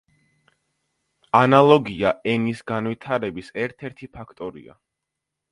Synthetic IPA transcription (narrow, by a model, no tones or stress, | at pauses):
analˠɔɡiaɛnisɡanvwit̪ʰaɾɛbisɛɾt̪ʰɛɾt̪ʰipʰakʰt̪ʼɔɾḭa̰